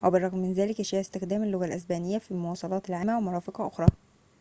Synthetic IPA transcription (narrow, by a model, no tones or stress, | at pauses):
weberˤːɑɣmmɪnzæːlɪkʔæʃæːʕest̪exd̪æːmelːoɣælʔæsbæːnejːæfilmowɑːsˤɑlɑːt̪elʕaːmːæwemɑɾˤɑːfeqɑʔoxɾˤɑː